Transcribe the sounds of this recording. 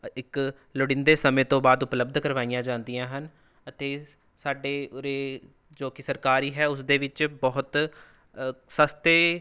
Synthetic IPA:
ɪk | ləɽɪ̃nd̪eːsəmẽːt̪õːbaːd̪ʊpləb̚d̪kəɾʋaːijãːd͡ʒãːnd̪ijãːɦən | ət̪eː | saːɖeːɾeː | d͡ʒoːkɪsəɾkaːɾiːɦɛːʊsd̪eːʋɪt͡ʃbɔːʊt̪ | səst̪eː

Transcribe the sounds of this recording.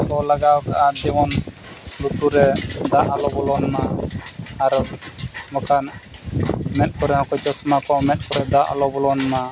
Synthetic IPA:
kɔlaɡawkaʔad͡ʒimɔn | lut̪uɾɛd̪aʔalɔbɔlɔnanaː | ɾ | mɔkan | mɛt̪̚ˀkɔɾɛhɔ̃kɔt͡ʃɔsɔmakɔʔmɛt̪̚ˀkɔɾɛd̪aʔa̰lɔbɔlɔnana

